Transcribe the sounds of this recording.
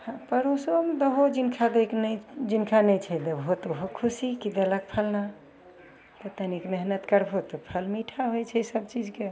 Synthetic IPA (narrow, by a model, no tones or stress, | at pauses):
hãpəɾõsəbmd̪əɦod͡ʒinkʰad̪eknd͡ʒinkʰanət͡ʃʰɛd̪əbɦot̪oɦokʰusikid̪elək̚pʰəlna | t̪ət̪ənikmeɦnət̪kəɾpʰot̪əpʰəlmiʈʰaɦojt͡ʃʰɛsəbt͡ʃid͡ʒke